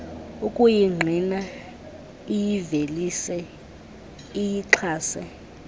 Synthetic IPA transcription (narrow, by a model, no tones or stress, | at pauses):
ukʼujiŋ͡ǃʱina | ijivelisɛ | ijiǁʰaːsɛ